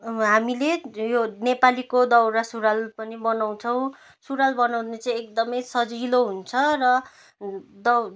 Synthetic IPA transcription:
ɦamilejonepalikod̪ʌwɾasuɾalpʌnibʌnaw̃t͡sʰʌw̃ | suɾalbʌnawnet͡sʌ̃j̃ek̚d̪ʌmʌjsʌd͡ziloɦunt͡sʰʌrʌ | d̪ʌ

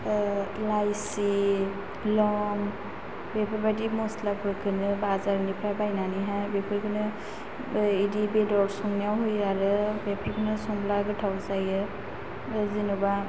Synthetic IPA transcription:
lajsi | lɔŋ | bepʰaɾbadimɔslapʰɯɾkʰɯnɯbazaɾnipʰɾabajnaniɦabepʰɯɾkʰɯnɯ | idibedɔɾsɔŋnjawɦujaɾɯbepʰaɾkʰɯnɯsɔmblaɡɯtʰawzajɯ | zinuba

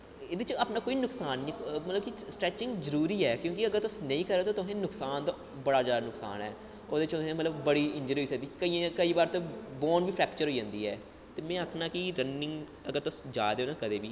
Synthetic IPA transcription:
ɪd̪ɪt͡ʃapnaːkoːiːnʊksaːnːĩːmət̪ləbkɪsʈɾɛːt͡ʃɪŋɡzəɾuːɾiːɛːkjõːkɪəɡəɾt̪ʊsnəĩːkəɾːeːt̪oːt̪ʊsẽːnʊksaːnt̪a | bəɽaːzjaːd̪aːnʊksa̰ːnɦɛ̰ː | oːd̪ɪt͡ʃʊsẽːmət̪ləbːəɽiːɪ̃ɲd͡ʒəɾoːiːsəɡd̪iːkəiːãkəiːbaːɾt̪ebɔːnbiːpʰɾɛːkt͡ʃəɾɦoːiːd͡ʒãːnd̪iːɛ̰ː | t̪eːmɛ̃ːakʰnaːkɪɾənːɪ̃ŋɡ | əɡəɾt̪ʊsd͡ʒaːd̪eːoːnãːkəd̪eːbiː

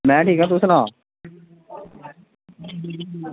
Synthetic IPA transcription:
mɛ̃ːʈʰiːkãːt̪ʊsnãː

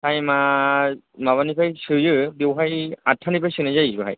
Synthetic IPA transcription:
hajma | maβanipʰajsɯjɯbewɦajatʰːanipʰajsɯnazajsɯɦa̰j

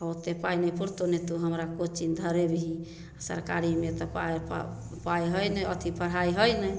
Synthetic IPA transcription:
ot̪epajnəpuɾt̪onet̪uɦəmɾakot͡ʃind̪ʱəɾebiɦĩ | asə̰ɾka̰ɾimet̪ɔpaa̰ | pajɦəjnɛət̪ʰipʰəɽ̤aiɦəjnəj

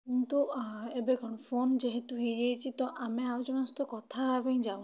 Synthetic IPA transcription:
kint̪uebeɡɔɽ̃ɔpʰond͡ʒeɦet̪uɦejet͡ʃʰit̪ɔʔameawd͡ʒɔnɔst̪ɔkɔt̪ʰabaj̃d͡ʒaw̃

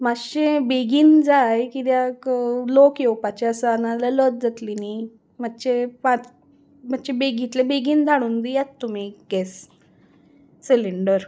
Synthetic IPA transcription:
maɕebeɡiːnd͡zajkid̪jaklokjewpat͡ɕaəsənalələt̪̚d͡zat̪lini | m̤atːɕepat͡s | m̤ətːt͡ɕebeɡit̪lebeɡiːnd̪ʱaɽ̃uːnd̪ijat͡st̪ːum̤iɡɛs | siliɳɖəɾ

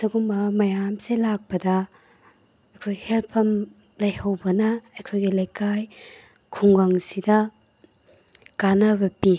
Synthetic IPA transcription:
sɐɡumɐmɐjamselak̚pɐdɐ | ɐjkʰojhelpʰɐm | lɐjhɐwbɐnɐɐjkʰojɡilɐjkaj | kʰuŋɡaŋsidɐ | kanɐbɐpi

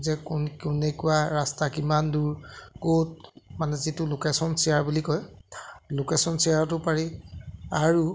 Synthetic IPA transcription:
zɛkukunekuwaɹastakimanduɹkot̚manɛzitʊlokesɔnsiaɹbulikɔj | lokesɔnsiaɹtʊpaɹiaɹu

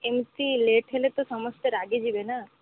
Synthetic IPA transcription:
emsileːʈʰelet̪osɐməsʈ̪eɾaːɡed͡ʒibena

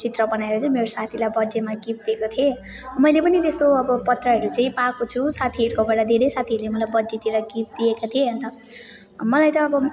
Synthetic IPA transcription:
t͡sit̪rʌbʌnaeɾʌt͡sʌĩmeɾosat̪ʰilajbʌd͡zemaɡip̚d̪iekot̪ʰie | mʌjlepʌnit̪est̪oʌbʌpʌt̪rʌɦʌɾut͡sʌĩpakot͡sʰusat̪ʰiɦʌɾukobʌɽad̪ʱeɾesat̪ʰiʌɾulemʌlajbʌd͡zet̪ieɾʌɡip̚d̪iekat̪ʰieɦʌnt̪ʌ | mʌlajt̪ʌːbʌ

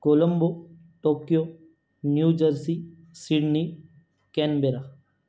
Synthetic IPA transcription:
koːlɐmbo | ʈoːkijo | njuːd͡ʒəɾsi | siɖni | kenbeɾa

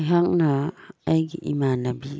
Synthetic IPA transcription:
ɦaŋnaːjɡiʔimanabi

